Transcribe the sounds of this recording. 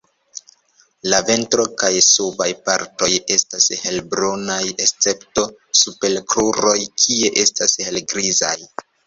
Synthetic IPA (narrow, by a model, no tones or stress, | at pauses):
lave̞ntɾo̞kajsubajpaɾto̞je̞stashe̞lbɾonaje̞st͡se̞pto̞supe̞lkluɾo̞jkʰie̞ʔe̞stashe̞lɡɾiza̰j